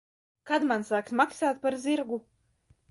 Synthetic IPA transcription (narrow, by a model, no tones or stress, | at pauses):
kad̪mansaːksmaksaːt̪̚paɾzʲiɾɡu